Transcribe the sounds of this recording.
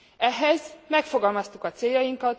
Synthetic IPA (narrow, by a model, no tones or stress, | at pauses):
ɛɦɛzmɛkfo̞ɡɒlmɒst̪ukɒt̪seːjːɒjiŋkɒt̪